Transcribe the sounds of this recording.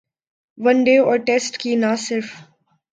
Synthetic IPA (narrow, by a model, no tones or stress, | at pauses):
ʋɐ̃nɖeːɔːɾʈesʈkinasɪɾf